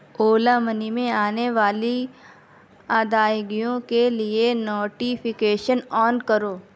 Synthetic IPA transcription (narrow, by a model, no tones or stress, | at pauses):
oːlamənimẽaːneʋaːli | aːd̪aːjɡijõkelienoːʈipʰɪkeːʃənɔːnkɐɾoː